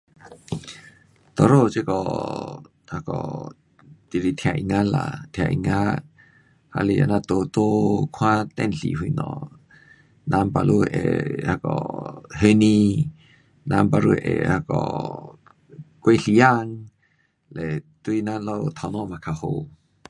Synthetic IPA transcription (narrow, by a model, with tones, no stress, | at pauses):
t̪ɔ˨ɾo˦t͡ʃe˦kɔ˨ | ha˧kɔ̰˨ | t̪i˨ɾi˧t̪ʰja˧ʔi˧ŋa˦la̰˧t̪ʰja̰˧ʔi˧ŋa˦ | ha̰˧li˧a̰˧˨na˧t̪o˧t̪o˦kʰwã˦t̪ɛ˧nɬḭ˨ɦu˧jnɔ̰˧ | na˧mpa˧lʔu˦˧ʔɛ̰˨ha˧kɔ˨ɦe˧˦ni˧ | na˧mpa˧ɾu˧ʔɛ̰˨ha˧kɔ̰˨ | ke˦ɬi˧ja˦˧ŋ | lɛ˨t̪u˧˦i˧na˦lɔ˦˨t̪ʰa˧nɔ˦ma˧˨kʰa˧ho˧